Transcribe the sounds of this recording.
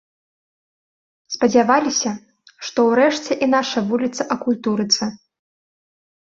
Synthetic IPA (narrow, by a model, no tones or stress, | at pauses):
spɐd͡zʲavalʲisʲɐ | ʂt̪ɔwɾɛʂt͡sʲɛʔinaʂɐvulʲit̪sɐʔɐkulʲt̪uɾɨt̪sɐ